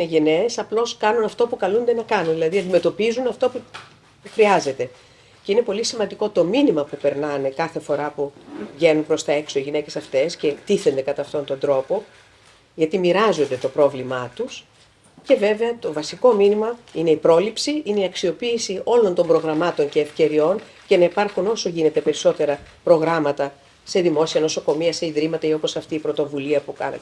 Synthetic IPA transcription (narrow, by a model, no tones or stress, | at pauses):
ineʝe̞ne̞ːsɐplo̞skɐnunɐft̪o̞pukɐlund̪e̞nɐkɐnunðilɐðiɐnd̪ime̞t̪o̞pizunɐft̪opu | uxɾiɐze̞t̪e̞ | ce̞ine̞po̞lisimɐnd̪iko̞t̪o̞minimɐpupeɾnɐne̞kɐθefo̞ɾɐpuʝe̞numpɾo̞st̪ɐe̞ksoiʝine̞ce̞sɐft̪e̞sce̞t̪iθe̞nd̪e̞kɐt̪ɐːft̪o̞nt̪o̞nd̪ɾo̞po̞ | ʝɐt̪imiɾɐzo̞nd̪e̞t̪o̞pɾo̞vlimɐt̪us | ce̞ve̞ve̞ɐt̪o̞vɐsiko̞minimɐine̞ipɾo̞lipsiineiɐksio̞piːsio̞lo̞nt̪o̞mbɾo̞ɣɾɐmɐt̪o̞ɲce̞ːfce̞ɾio̞n | ce̞nɐipɐɾxuno̞so̞ʝine̞t̪e̞pe̞ɾiso̞t̪e̞ɾɐ | pɾo̞ɣɾɐmɐt̪ɐ | se̞ðimo̞siɐno̞so̞ko̞miɐse̞iðɾimɐt̪ɐio̞po̞sɐft̪iːpɾo̞t̪o̞vuliɐpukɐ̰nɐ̰